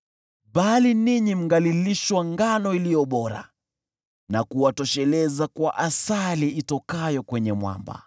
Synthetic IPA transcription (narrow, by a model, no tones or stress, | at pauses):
ɓaliniɲim̩ɡaliliʃwaŋɡanɔilijɔɓɔɾa̰ | nakuwatɔʃɛlɛzakwaʔasaliitɔkajɔkwɛɲɛmwa̰mba̰